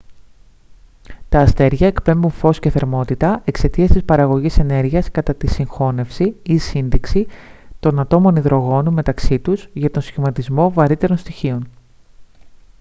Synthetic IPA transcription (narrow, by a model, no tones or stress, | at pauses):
t̪ɐːst̪e̞ɾʝɐe̞kpe̞mbunfo̞sce̞θeɾmo̞t̪it̪ɐe̞kse̞t̪iɐst̪ispɐɾɐɣo̞ʝise̞ne̞ɾʝiɐskɐt̪ɐt̪isiŋxo̞ne̞fsiisinðiksit̪o̞nɐt̪o̞mo̞niðɾo̞ɣo̞nume̞t̪ɐksit̪uzʝɐt̪o̞nsçimɐt̪izmo̞vɐɾit̪e̞ɾo̞nst̪içio̞n